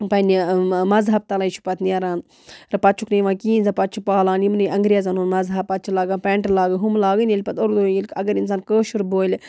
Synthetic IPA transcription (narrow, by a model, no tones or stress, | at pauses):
pɐnimɐzɦɐb̚t̪ɐlaːjit͡ʃʰu̥pɐt̪niaɾaːn | ɾɐpɐt͡ʃʰukniʋãːkiːnzɐpɐt͡ʃʰupaːlaːnimniɐŋɡɾʲjaːzanuːnmɐzɦɐpːɐtt͡ʃʰilaːɡaːnpeɳʈlaːɡɨɦumlaːɡɐnelʲpɐt̪oɾd̪oːelʲkɐɡɐɾinsaːnkəːʃuɾboːjl